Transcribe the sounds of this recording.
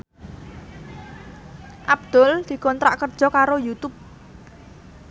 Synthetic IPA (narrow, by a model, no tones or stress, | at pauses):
ʔab̚d̪̥ɔ̤ld̪̥i̤kɔnt̪ɾa̰ʔkərd̥ʒ̥ɔ̤kaɾojut̪ʊp̚